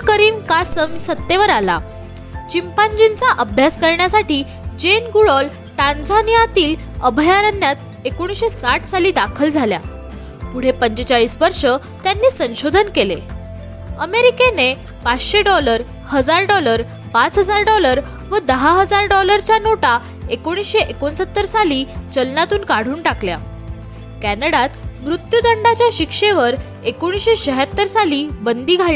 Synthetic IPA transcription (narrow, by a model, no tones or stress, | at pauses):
kəɾiːmkasəmisət̪ːeʋəɾala̰ | t͡ɕimpand͡ʑint͡saʔəbʱjaskəɾɳjasaʈiː | d͡ʑenɡuɽɔl | ʈand͡zanijat̪iːl | əbʱəjaɾənːjat̪ | ekoɽ̃sɕesaʈʰsaliːd̪akʰəld͡zʱalja̰ | puɽ̤epəɲt͡ɕət͡ɕaɭiːsʋəɾʂə | t̪janːiːsə̃ɕod̪ʱənkele | əmeɾikene | pat͡sɕeɖɔləɾ | həd͡zaɾɖɔləɾ | pat͡sɦəd͡zaɾɖɔləɾ | ʋəd̪əɦaɦəd͡zaɾɖɔləɾt͡ɕjanoʈa | ekoɽ̃isɕeʔekonsət̪ːəɾsaliːt͡ɕəlnat̪uːnkaɽ̤uːɳʈaklja̰ | kænəɽat̪mɾut̪jud̪əɳɖat͡ɕjaɕikʂeʋəɾ | ekoɽ̃isɕeɕəɦat̪ːəɾsaliːbənd̪iːɡʱaɭ